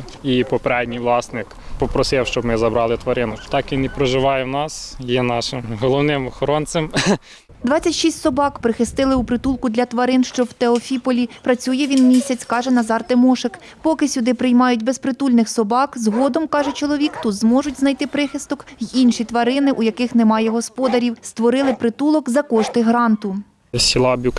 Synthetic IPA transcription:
ipɔpeɾɛd̪ʲnʲijʋlˠɑsnɪkpɔpɾɔsɪwʃt͡ʃɔbmɪzɐbɾɑlˠɪt̪ʋɐɾɪnʊt̪ɑkinɪpɾɔʒɪʋɑjɛnɑsjɛnɑʃɪmɦɔlˠɔʋnɪmɔxɔɾɔnt̪sem | d̪ʋɑt͡sʲːɐtʲʃisʲtʲsɔbɑkpɾɪxɪst̪ɪlˠɪupɾɪt̪ulˠkʊd̪lʲɐt̪ʋɐɾɪnʃt͡ʃɔwt̪eɔfʲipɔlʲipɾɐt͡sʲujɛʋʲinmʲisʲɐt͡sʲkɑʒɛnɐzɑrt̪emɔʃɪk | pɔkɪsʲʊd̪ɪpɾɪjmɑjʊtʲbespɾɪt̪ulʲnɪxsɔbɑkzɦɔd̪ɔmkɑʒɛt͡ʃɔlˠɔʋʲikt̪ut̪zmɔʒʊtʲznɐjt̪ɪpɾɪxɪst̪ɔkjinʃit̪ʋɐɾɪnɪʔujɐkɪxnɛmɑjɛɦɔspɔd̪ɐɾʲiwst̪ʋɔɾɪlˠɪpɾɪt̪ulˠɔkzɐkɔʃt̪ɪɦɾɑnt̪ʊ | sʲilˠɑbʲuk

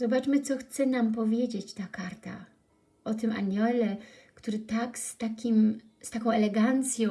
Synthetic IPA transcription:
zɔbat͡ʂmɘt̪sɔxt̪sɛnamp̬ɔvʲjed͡ʑet͡ɕt̪akaɾt̪a | ɔt̪ɘmʔa̰ɲɛlɛ | kt̪uɾɘt̪akst̪akʲim | st̪akɔ̃w̃ɛlɛɡant̪sʲjɔ̃

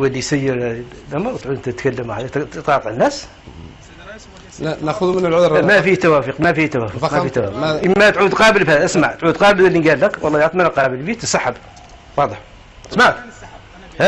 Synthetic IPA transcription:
wælːisæjːəɾ | lʔamɾˤt̪ʕud̪nt̪æt̪kælːəmuhæd̪it̪ɑt̪ʕənːæs | nxʊðumənəlʕʊɾmæfit̪æwæfiqmæfit̪æwæfʊmæfit̪ːæwæfqʔəmːæt̪ʕud̪qɑbəlbhæd̪æʔəsmaʕt̪ʕud̪qɑbələlːinɡælːækwʔɑ̰lˤːɑjʕt̪mænaqɑbəlbit̪əsaħəb | wɑd̪ˤəħ | əsmaʕt̪ | hæ

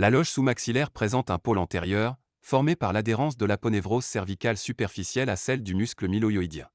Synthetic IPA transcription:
lalɔʒsumaksilɛʁpχezɑ̃t̪ɛ̃polɑ̃t̪eʁjœːʁ | fɔʁmepaʁlad̪eʁɑ̃sd̪əlapɔnevʁozsɛʁvikalsypɛʁfisjɛlasɛld̪ymyskləmilɔjɔid̪jɛ̰̃

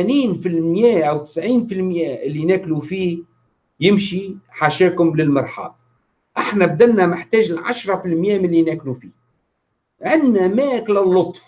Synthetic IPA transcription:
æniːnfilmjæːʔawt̪ɪ̥sʕiːnfilmjæːʔɪlːinæːklufiː | jɪmʃiħaʃæːkʊmlɪlmɑɾˤħɑ̰ːlˤ | ʔaħnæb̚d̪ælnæmɪħt̪æːʒɪlʕa̰ʃɾˤɑfilmjæːmɪlːinæːklufiː | ʕɪnnæmæʔklælːʊt̪ˤf

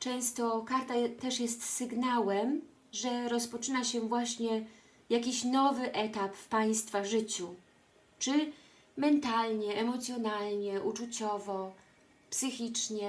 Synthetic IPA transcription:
t͡ʂɛ̃w̃st̪ɔkaɾt̪at̪ɛʂjɛst̪sɘɡnawɛm | ʐɛɾɔspɔt͡ʂɘnaɕɛvwaɕɲɛ | jakʲiɕnɔvɘʔɛt̪apfpaj̃st̪faʐɘt͡ɕu | t͡ʂɘ | mɛnt̪alɲɛɛmɔt̪sʲjɔnalɲɛʔut͡ʂut͡ɕɔvɔ | psɘxʲit͡ʂɲɛ

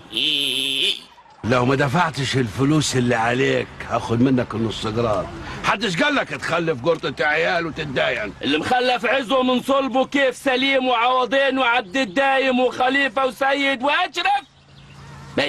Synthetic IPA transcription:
ʔiː | lawmad̪afaʕt̪ɪʃɪlfʊluːsʔɪlːiʕaleːkhaxʊd̪mɪnːakɪlnːʊsˤːɨɡɾˤɑ̰ːɾħad̪ːɪʃɡalːakt̪xalːɪfɡʊɾˤt̪ˤɪt̪aʕjaːlwɪt̪ɪt̪̚d̪aːjanʔɪlːimxalːafʕɪzwʊmɪnsˤɑlbukeːfsaliːmwʕɑwɑd̪ˤeːnwɪʕab̚d̪ɪd̪ːaːjɪmwɪxaliːfawsajːɪd̪wʔaʃɾaf | b

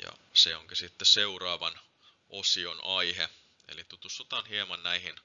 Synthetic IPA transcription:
jɑ̰seoŋkisit̪ːeseurɑːʋɑn | ʔosionɑihe | ḛlit̪ut̪usot̪ɑnhiemɑnnæihin

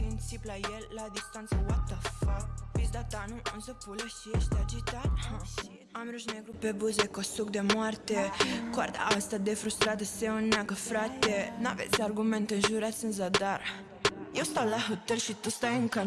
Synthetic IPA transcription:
tinsiplajɛlːad̪ist̪ant̪sawat̪ːafapizd̪at̪anuunsəpːuleʃiɛʃd̪ad͡ʒit̪aɾha | amɾuʃnɛɡɾupːebuzekːɔsuk̚d̪emwɔɾt̪ekɔɾd̪a̰ast̪ad̪efɾust̪ɾat̪əseunːakəfɾat̪ːena̰vɛ̰siaɾɡumɛnt̪ənʒuɾat̪sənz̬ad̪aɾ | jist̪awlaɦət̪ːəɾʃit̪ːust̪ajəŋka

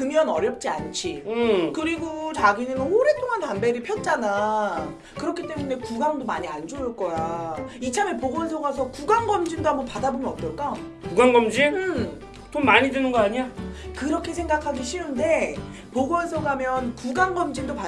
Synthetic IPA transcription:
kɯmjʌnʌɾjʌp̚t͡ɕ͈ia̰nt͡ɕʰikɯɾiɡot͡ɕaɡinɯnoɾe̞t͈ʰoŋantambe̞ɾipʰjʌt̚t͡ɕ͈ana | kɯɾʌkʰit͈e̞mune̞kuɡaŋdomaɲiand͡ʑoːɭk͈ʌjait͡ɕʰame̞poɡʌnsʰʌɡas̬ʰʌkuɡaŋɡʌmd͡ʑindoɦambʌnpadabomjʌnʌt͈ʌɭk͈a | kuɡaŋɡʌmd͡ʑiɯ | tonmaɲidɯnɯnɡʌaɲiakɯɾʌkʰe̞sʰeŋɡakʰaɡiɕʰiunde̞ | poɡʌns̬ʰʌɡamjʌnkuɡaŋɡʌmd͡ʑindopa

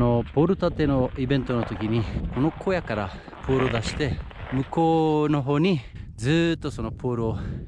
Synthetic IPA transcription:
no̞po̞ːɾɯ̟t̪at̪e̞no̞ibẽ̞nt̪o̞not̪o̞kʲiɲ̟iko̞no̞kʰo̞jakaɾa̰ | po̞ːɾɯd̪aɕi̥t̪e̞ | mɯ̟ko̞ːno̞ɦo̞ːɲ̟i | d͡zɨːt̪ːo̞so̞no̞pʰo̞ːɾɯo

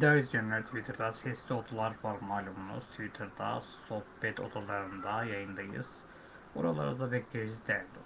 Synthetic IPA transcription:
id̪aːɾizd͡ʒenælʲt̪ʰivit̪ʰɾd̪asɛslʲio̞d̪ulˠaɾfaɾmːaːlʲumunṵst̪ʰivit̪ʰɾd̪a̰so̞hvɛt̪ʰo̞̰d̪alˠaɾɯnd̪ajajɯnd̪ajɯ̰z̥ | oɾalˠa̰ɾad̪abɛeɾizizd̪æɾd̪i

